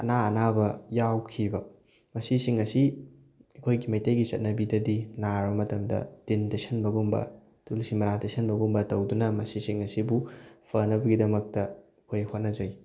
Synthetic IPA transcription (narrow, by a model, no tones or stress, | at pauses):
ɐ̰naɐnabɐjawkʰibɐ | mɐsisiŋɐsi | ɐkʰojɡimɐjtejɡit͡ʃɐt̚nɐbidɐdinaɾbɐmɐtɐmdɐ̰tintesɐnbɐɡumbɐ̰ | tulsimɐɾatesʰɐnbɐɡumbɐtɐwdunɐmɐsisiŋɐsibupʰɐnɐbɐɡidɐmɐk̚tɐɐkʰojhot̚nɐzɐj